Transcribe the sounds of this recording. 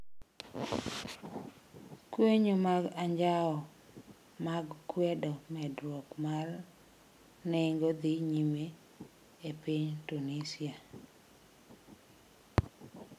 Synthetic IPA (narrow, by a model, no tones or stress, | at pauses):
kweɲomaɡaɲd͡ʒaɔ | maɡkwɛdɔmɛdwɔkmar | nɪŋɡod̪iɲime | epiɲtunisia